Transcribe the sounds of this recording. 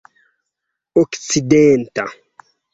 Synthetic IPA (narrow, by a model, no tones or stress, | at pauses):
ɔksid̪ent̪a